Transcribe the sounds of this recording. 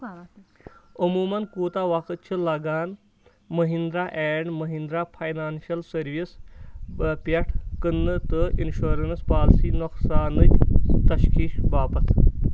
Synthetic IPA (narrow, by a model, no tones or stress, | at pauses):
ɐmuːmɐnkuːt̪aːʋɐkɨt̪̚t͡ʃʰɨlɐɡaːn | məɦind̪ɾaːʔeːɳɖməɦind̪ɾapʰɐjnaːnʃɐlsəɾʋis | pɐʈʰkɨnːɨt̪ɨinʃoːɾɐnspaːlsiːnʊksaːnɨt͡ʃʲt̪ɐʃkʰiːʃʋaːpɐt̪ʰ